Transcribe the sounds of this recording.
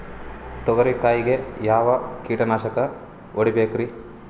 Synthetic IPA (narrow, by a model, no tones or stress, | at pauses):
t̪ɔɡɐɾikaːjiɡe̞jaːʋɐkiːʈɐnaːʃɐkɐ | oɽibeːkɾi